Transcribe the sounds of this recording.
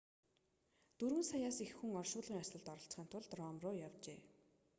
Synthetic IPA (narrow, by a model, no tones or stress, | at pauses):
t̪urɣɘ̆nsajaːsixːuŋɔrʃʊːɮʁiːŋasə̆ɮt̪ɔɾɞ̆ɬt͡sχiːnt̪ʰʊɮt̪rɔːmrʊːjawt͡ɕḛː